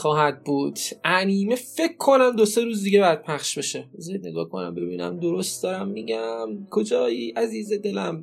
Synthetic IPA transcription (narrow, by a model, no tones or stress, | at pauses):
xɒːɦæd̪̚buːd̪̥ʔæniːmefe̞kʰːo̞næmd̪o̞se̞ɾuːzd̪iɟebɒjæd̪̥̚pʰæχʃbe̞ʃe̞zied̪ne̞ɡɒːkʰo̞̰næ̰mbe̞biːnæ̰md̪o̞ɾost̪̚d̪ɒːɾæmːiɟæmkʰo̞d͡ʒɒːjiːʔæziːzed̪e̞læm